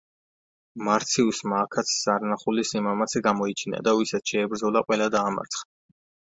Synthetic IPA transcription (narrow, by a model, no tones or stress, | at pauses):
maɾt̪sʰiusmaːkʰat̪sʰzaɾnaχulisimamat̪sʰɛɡamɔit͡ʃʰina̰d̪awisat̪ʃɛːbɾd̪ɔlˠaqʼwɛlad̪aːma̰ɾt̪sʰχd̪a